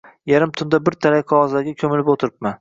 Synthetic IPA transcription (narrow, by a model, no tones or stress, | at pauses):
jaɾɪmt̪ʰʊnd̪abɪɾt̪ʰaɾajqʰɑɒzlaɡʲakʲʰɵmɪlɪpot̪ʰɪɾɪp̚man